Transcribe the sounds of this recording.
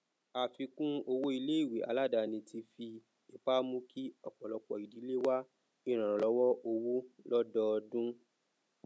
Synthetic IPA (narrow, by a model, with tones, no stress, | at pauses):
a˨fi˧kũ˦o˧wo˦i˧le˦i˦˨we˨a̰˨˦la˦˨da˧˨nĩ˧tʰi˧fi˧ | e˨pa˦mũ˦ki˦ɔ˦˨k͡pɔ˨lɔ˨˧k͡pɔ̰˨i˨di˨˦le˦wa˦ | i˦˨ɾ̃ã˨ɾ̃ã˨lɔ˨˦wɔ˦ʔo˧wu˦lɔ˦dɔ˦˧dũ˦